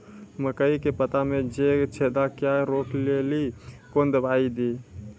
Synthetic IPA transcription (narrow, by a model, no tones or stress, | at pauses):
məkəikepət̪amed͡ʒet͡ʃʰed̪akjaɾokʰlelikond̪əbʱaid̪i